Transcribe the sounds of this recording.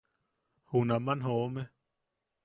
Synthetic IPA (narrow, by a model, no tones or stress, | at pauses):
hunamanɦome